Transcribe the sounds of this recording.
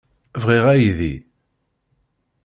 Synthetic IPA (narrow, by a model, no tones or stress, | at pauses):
vʁiʁæjðḭ